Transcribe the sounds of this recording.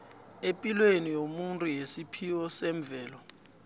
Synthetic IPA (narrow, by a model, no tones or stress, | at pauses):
epʼilwenijomuntʼujesipʰiwɔsɛɱb̪vʱɛːlɔ